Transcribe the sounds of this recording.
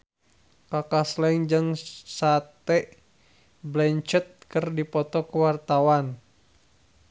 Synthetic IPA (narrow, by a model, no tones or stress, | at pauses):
kakaslɛŋd͡ʒɨŋsat̪ɛʔ | blɛɲt͡ʃət̪̚kɨrdipɔt̪ɔkəwart̪awan